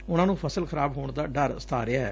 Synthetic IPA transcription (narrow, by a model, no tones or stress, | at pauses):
ʊnãːnũːpʰəsəlkʰəɾaːbɦoːɳd̪aːɖəɾst̪ʰa̰ːɾɪjaːɦɛː